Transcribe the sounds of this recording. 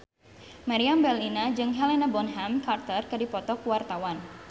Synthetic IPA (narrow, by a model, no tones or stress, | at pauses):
maɾiambɛlinad͡ʒɨŋɦɛlenabɔnɦamkart̪ərkɨdipɔt̪ɔkuwart̪awan